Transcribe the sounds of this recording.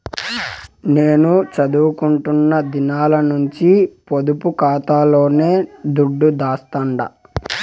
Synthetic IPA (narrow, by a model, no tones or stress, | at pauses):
ne̞ːnut͡ʃɐd̪uːkuɳʈunːɐd̪inaːlɐnuɲt͡ʃipod̪upukaːt̪aːlo̞ːne̞ːd̪uɖːud̪aːst̪ɐɳɖɐ̰